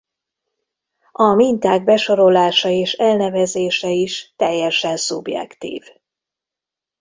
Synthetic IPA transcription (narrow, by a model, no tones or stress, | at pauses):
ɒmint̪aːɡ̚bɛʃo̞ɾo̞laːʃɒeːʃɛlnɛvɛzeːʃɛiʃt̪ɛjːɛʃɛnsubjɛ̰kt̪ḭːv